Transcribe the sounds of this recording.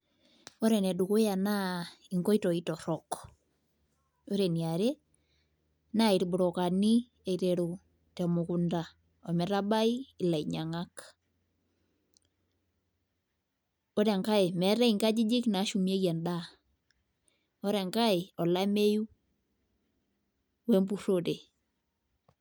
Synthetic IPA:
ɔ˦ɾɛ˨nɛ˨du˨ku˦ja˨na˦i˨ŋkɔ˦i˦tɔ˨i˦tɔ˨ɾɔ˨k | o˦ɾe˨ni˨a˨ɾe˦ | na˦i˨ɾbu˨ɾɔ˨ka˨ni˦ | e˨iɾe˨ɾu˨ | tɛ˨mu˨ku˨nda˨ | ɔ˨mɛ˨ɾa˦ba˦i˦i˨la˨i˨ɲa˨ŋa˦k | o˦ɾe˨ŋka˦e˨mɛ˨ɾɛ˦i˨ŋɡa˦d͡ʒi˦d͡ʒi˦kna˨˦ʃu˨mje˦ɣɛ˨nda˦ | ɔ˦ɾe˨ŋɡa˦ɪ˨ɔ˨la˦me˦ju˦ | we˦mbu˦ɾo˦te˨

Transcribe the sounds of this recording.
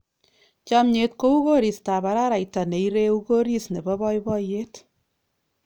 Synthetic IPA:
t͡ʃa˦mɲe˨t̚ko˦u˦ko˦ɾi˨sta˨ba˨ɾa˦ɾa˨jta˨ne˨iɾe˦u˦ko˦ɾi˦sne˨bɔ˦bɔ˦jbɔ˦je˦t

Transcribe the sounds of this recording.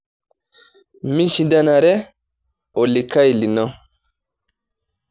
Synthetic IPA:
mi˦nʃĩ˦da˦na˨ɾɛ˦ | ɔ˨li˨kʰa˦i˨li˨nɔ˦

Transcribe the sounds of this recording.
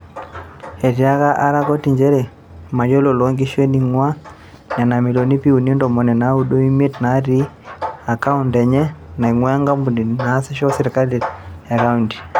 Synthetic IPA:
ɛ˨ɾi˨a˦ka˦ʔa˦ɾa˦kɔ˦tiɲd͡ʒɛ˦ɾɛ˨ | ma˨d͡ʒɔ˦lo˨lɔŋɡi˦ʃwɛ˦ni˨ŋwa˦ | ɲa˨na˨mi˨lɔ˨ni˦pi˦u˨ni˦ndɔ˨mɔ˨nɛ˨na˨u˦ɗo˦i˦me˦tna˦ɾi˦ | a˨ka˦undɛ˨ɲɛ˦na˨iŋwa˦ja˦ŋɡa˦mbu˨ni˨na˦sɛ˦ʃɔ˦siɾi˨ka˦lia˨ka˦unti̥˨

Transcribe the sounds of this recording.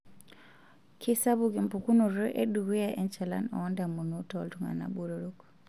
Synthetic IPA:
kʰi˦sa˦βu˨ke˨mpu˨ku˦nu˨ɾɔ˦ʔe˦du˨ɣe˦ja˨ʔɛ˦nt͡ʃɛ˨la̰˦nɔ̰˨ɔ˦nda˨mu˨nu˦tɔ˦˨ltu˨ŋa̰˨na̰˨ɓu˦ɾo˨ɾo˦k

